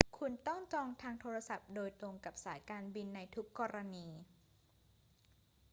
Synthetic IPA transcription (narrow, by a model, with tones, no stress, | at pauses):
kʰu˧nt̪ɔ˥˩ŋt͡ɕɔː˧ŋt̪ʰaː˧ŋt̪ʰoː˧ɾa˧sa˨˩p̚doː˧jt̪ɾo˧ŋka˨˩p̚saː˩˦jkaː˧nbi˧nːa˧jt̪ʰu˦˥kːɔː˧ɾa˧niː˧